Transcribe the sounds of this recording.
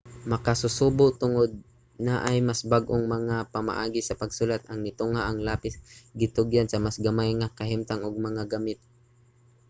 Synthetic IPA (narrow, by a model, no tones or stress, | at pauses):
mɐkasʊsuːbʊʔt̪ʊŋod̪̚ | naʔajmasbaɡʔʊŋmɐŋapama̰ʔaːɡisɐpɐɡsʊlat̪̚ʔɐŋnɪt̪ʊŋhaʔɐŋlaːpɪsɡɪt̪ʊɡjansɐmasɡamajŋakaɦɪmt̪aŋʊɡ̚mɐŋaɡamɪt̪̚